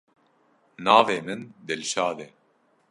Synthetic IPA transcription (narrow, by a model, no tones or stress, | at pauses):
naːveːmɨnd̪ɛlʃaːd̪ɛ